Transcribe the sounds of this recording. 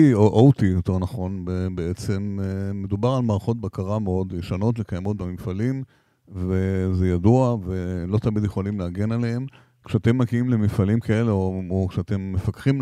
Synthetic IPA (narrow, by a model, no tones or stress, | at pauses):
ioʔowtijote̞ʁnaχo̞nbebeet͡se̞meːe̞d̪ubaʁalmaːʁaχo̞t̚bakaʁameo̞d̪jeʃano̞tlekajamo̞t̪̚beminfalim | vezejaduavelo̞t̪amid̪jeχolimleaɡe̞nalehem | kʃeate̞mːaɡiimleminfalimkʰae̞leookʃeate̞mːefakχim